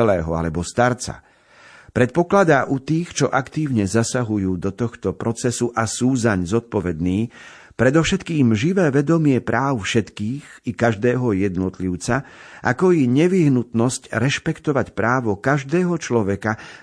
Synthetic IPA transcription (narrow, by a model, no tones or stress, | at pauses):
lɛːɦɔa̰lɛbɔst̪aɾt͡sa̰ | pɾɛt̪̚pɔklad̪aːʔut̪iːxt͡ʃɔʔakt̪iːʊɲɛzasaɦujuːd̪ɔt̪ɔxt̪ɔpɾɔt͡sɛsuʔasuːzaɲzɔt̪̚pɔʋɛd̪niː | pɾɛd̪ɔfʃɛt̪kiːmʒiʋɛːʋɛd̪ɔmɪɛpɾʔaːʊfʃɛt̪kiːɣikaʒd̪ɛːɦɔjɛd̪nɔt̪liʊt͡saʔa̰kɔjiɲɛʋiɦnut̪nɔscɾɛʃpɛkt̪ɔʋacpɾaːʋɔkaʒd̪ɛːɦɔt͡ʃlɔʋɛka